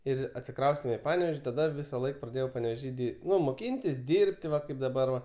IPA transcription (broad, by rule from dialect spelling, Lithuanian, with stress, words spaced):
ˈɪr ɐtʲsʲɪˈkrɐʊsʲtʲeːm ɪ ˈpɑːnʲɛʋʲeːʃʲ tɐˈdɐ ˈʋʲɪsɐˌlˠɐɪk prɐˈdʲeːjɛʊ pɐnʲɛʋʲeːˈʒʲiː dʲɪ ˈnʊ moːˈkʲiːnʲtʲɪs ˈdʲiːrʲpʲtʲ ˈʋɐ ˈkɐɪp dɐˈbɐr ʋɐ